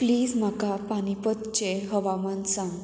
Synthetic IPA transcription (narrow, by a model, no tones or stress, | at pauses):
pliːd͡zm̤akapanipət̪t͡ɕeɦəʋamənsãŋɡ